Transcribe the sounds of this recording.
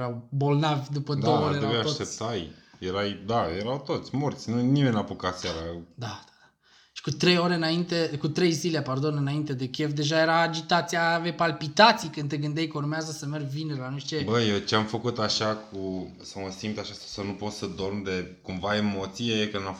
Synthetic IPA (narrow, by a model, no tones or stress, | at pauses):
ɾawbo̞lnavʲd̪upəd̪ooeɾeaijat̪ʃot̪ep̚t̪ajjeɾajd̪ajeɾawt̪o̞t̪sʲmort̪sʲnunimenʲapukat̪sʲaɾad̪ad̪ad̪a | ʃi̥kut̪ɾe̞jo̞ɾeɨnaint̪e̞kut̪ɾe̞jzilepard̪o̞nɨnaint̪e̞d̪e̞kʲefd̪e̞ʒaje̞ɾaːd͡ʒit̪at̪sijavejpalpit̪at̪sijkɨnt̪eɡɨnd̪ejkəurmeazəsəmerɡvineɾlanuiʃt͡ʃe̞bəjewt͡ʃeamfəkut̪aʃaku | saməsimpt̪aʃasasənupo̞t̪səd̪o̞rmd̪e̞kumvae̞mo̞t̪siejekɨna